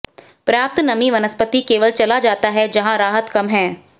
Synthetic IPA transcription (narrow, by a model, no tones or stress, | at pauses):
pɾaːp̚t̪nɐmiʋɐnəspət̪ikeːʋəlt͡ʃɐlad͡ʒaːt̪aɦɛd͡ʒɐɦãɾaːɦət̪kɐmɦɛ̃ː